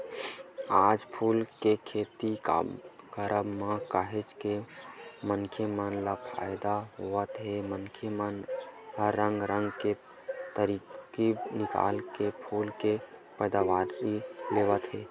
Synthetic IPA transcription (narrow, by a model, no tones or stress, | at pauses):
aːd͡ʒpʰuːlkekʰeːt̪ika̰kəɾəbmãkaɦet͡ʃke | mənkʰemənlapʰa̰jd̪aɦoət̪ɦemənkʰemənɦəɾːə̃ŋɡɾə̃ŋɡke | t̪əɾikinɪka̰ːlkepʰuːlkepəd̪aʋaːɾileʋət̪ɦeː